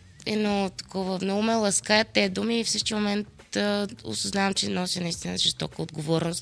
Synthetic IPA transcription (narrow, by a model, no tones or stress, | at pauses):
ɛnot̪ɐ̥kɔvəmnɔɡʊmɛlˠɐskaət̪ːɛd̪umiːfsəʃk̪imomɛnt̪ | o̰sɐznavɐmt͡ʃɛnɔsʲinɐist̪inəʒɛst̪ɔkəod̪ɡovɔɾnʊst̪